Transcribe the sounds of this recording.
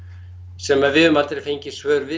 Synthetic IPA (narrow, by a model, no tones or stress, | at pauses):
sɛmaðvɪðʏmalt̪ɾɪfejɲcɪsvœːɾvɪ